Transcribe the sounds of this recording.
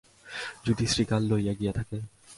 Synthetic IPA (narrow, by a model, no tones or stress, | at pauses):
d͡ʑuʈ̪isɾikalːojaɡijet̪ʰake